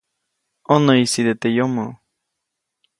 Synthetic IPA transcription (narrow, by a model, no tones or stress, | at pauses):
onəisid̪et̪ejomo